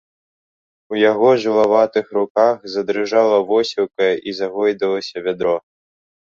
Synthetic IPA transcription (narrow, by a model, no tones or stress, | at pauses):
ujaɣɔʐɨlˠavat̪ɨxɾukaxzɐd̪ɾɨʐalˠɐvɔsʲiwkɐjʔizaɣɔjd̪ɐlˠɐsʲɐvʲad̪ɾɔ